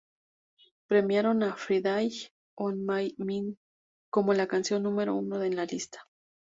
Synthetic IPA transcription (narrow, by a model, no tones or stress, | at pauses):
pɾemjaɾonafɾiðaj | onmajmiŋ | komolakansjo̞nːumeɾo̰unoðenlalist̪ḁ